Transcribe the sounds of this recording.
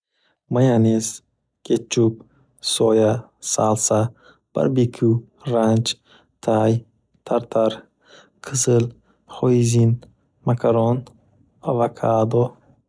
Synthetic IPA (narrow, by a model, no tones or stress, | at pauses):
majanes | ket͡ʃʰːub̚ | sɔja | salsa | b̥a̰ɾbikʰu | ɾand͡ʒ | t̪ʰaj | t̪ʰaɾt̪ʰaɾ | kʰɨsɨl | χɔizin | makʰaɾɔn | avakʰad̪ɔ